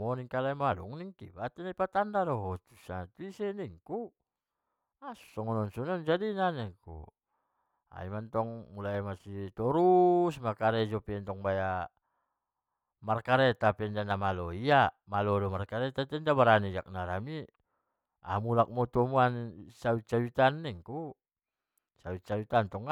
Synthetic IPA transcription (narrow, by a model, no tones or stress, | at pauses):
mɔniŋkalamalṵŋniŋkḭbat̪ɛnaipat̪andadɔɦɔt̪u̥sat̪uisɛniŋku | asu̥sɔŋɔnɔnsɔnɔnd͡ʒadinanɛŋkṵ | a̰imant̪ɔŋmulamasit̪ɔɾusmarkaɾɛd͡ʒɔpɛnt̪ɔŋbaja | markaɾɛt̪apɛndanamalɔiamalɔdɔmarkaɾɛt̪at̪ɛndabaɾanid͡ʒak̚naɾami | a̰mulak̚mɔt̪ɔmuansawit͡ʃawit̪anːɛŋku | sawit͡ʃawit̪ant̪ɔŋ